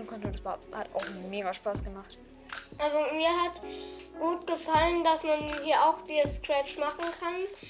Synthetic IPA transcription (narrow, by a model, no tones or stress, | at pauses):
n̩kʰɔntəndsv̥ahata̰ʊxmeːɡaʃpaːsɡ̥əmaχt | ʔalzomiːɐɦatɡ̥uːtɡ̥əfaləndasmanhiːɐʔaʊxd̥iːzəskʁ̥ɛt͡ʃmaχn̩kʰan